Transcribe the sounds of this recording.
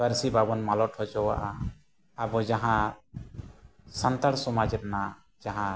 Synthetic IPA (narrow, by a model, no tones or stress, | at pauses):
bəɾsibʱabɔnmalɔʈhɔd͡ʒɔwa̰ʔaː | bɔd͡ʒaɦã | sant̪aɽsɔmad͡ʒɛɾana | d͡ʒaɦã